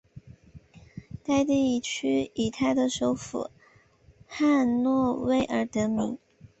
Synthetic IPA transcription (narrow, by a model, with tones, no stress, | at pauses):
t̪a˥˧ɪt̪i˥˩i˧˥t͡ɕʰy˥i˨˩t̪ʰa˥˩ɪd̪ə˧ʂo˧˥ʊfṵ˨˩˦ | xa˥˧nnwɔ˥˧we˥˩ɪʔə˞˧˥t̪ɤ˧˥mi˧˥ŋ